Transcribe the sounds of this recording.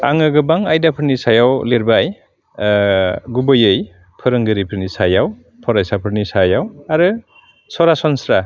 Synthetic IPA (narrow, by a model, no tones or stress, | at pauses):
a̰ŋɯɡɯbaŋajdapʰɯɾnisajawleɾbaj | ɡubɯjɯj | pʰɯɾɯŋɡɯɾipʰɯɾnisajaw | pʰɔɾajsapʰɯɾnisajawaɾɯ | sɔɾasɔnsɾa